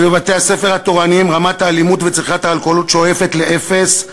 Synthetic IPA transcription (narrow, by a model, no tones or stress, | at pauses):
bevat̪e̞ase̞fe̞ʁhat̪oʁanimʁamat̪haːlimut̪vet͡siχat̪haːlkolut̪ʃeoe̞fet̪le̞ʔefes